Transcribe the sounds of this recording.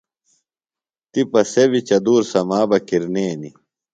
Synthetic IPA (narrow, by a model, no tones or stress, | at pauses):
t̪ipɐsebit͡ɕɐd̪uːɾsɐmaːbɐkiɾneːnḭ